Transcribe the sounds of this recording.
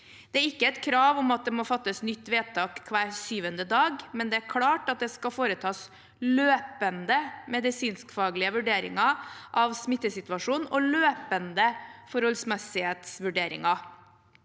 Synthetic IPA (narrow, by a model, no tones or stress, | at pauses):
d̪̥ɛæɾɪkːəɛt̪kʰɾɑːʋɔmɑt̪̚d̪ɛmɔfɑt̪ːəsnʏt̪ːʋeːd̪̚t̪ʰɑːkkʰːʋæːɾsyːʋənd̪əd̪ɑːɡmɛnd̪ɛæɾkʰlɑːʈɑt̪̚d̪ɛskɑfoːɾət̪ʰɑːs | løːpənd̪əmɛd̪ɪsiːnskfɑːɡlɪəʋʉɖeːɾɪ̰ŋɑʔɑʋsmɪt̪ːəsɪt̪ʋɑʂuːnɔløːpənd̪əfɔɾhɔlsmɛsɪheːt̪sʋʉɖeːɾɪ̰ŋɑ